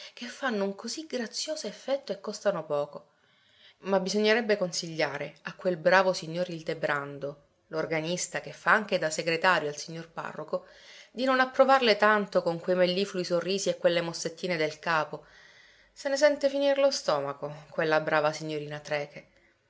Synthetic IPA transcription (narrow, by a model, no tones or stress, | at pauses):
kefːanːouŋkoziɡɾat̪sːjoːzoefːɛt̪ːoekːɔst̪anopɔːko | mabːizoɲːeɾɛbːekonsiʎːaːɾeakːwelbɾaːvosiɲːoːɾild̪ebɾand̪o | lorɡanist̪akefːaaŋk̟ed̪aseɡɾet̪aːɾjoalsiɲːorpa̰rːoko | d̪inonapːɾovarlet̪ant̪okoŋkwejmelːifluisorːiːziekːwelːemosːet̪ːiːned̪elkaːpo | senes̬ɛnt̪efinirlost̪ɔːmakokwelːabɾaːvasiɲːoɾiːnat̪ɾɛːke